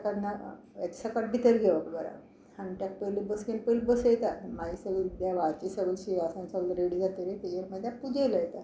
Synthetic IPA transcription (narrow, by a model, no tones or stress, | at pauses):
kad̪na | eksakəʈ̚bʱit̪əɾɡʱeʋəkɡəɾa̰ | ant̪jak̚pəjlibəsɡenpəlbəsəjɛt̪at̪maisəʋəld̪jaʋat͡ɕisəʋəlɕiasãnsəʋəlɾeɽid͡zat̪əɾet̪ejeɾməd̪ʱːjapud͡ʑeləjet̪a